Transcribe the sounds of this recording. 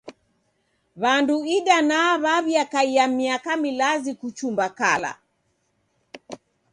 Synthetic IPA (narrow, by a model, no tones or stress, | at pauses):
βanduiɗanaaβaβjakaiamiakamilazikut͡ʃumbakala̰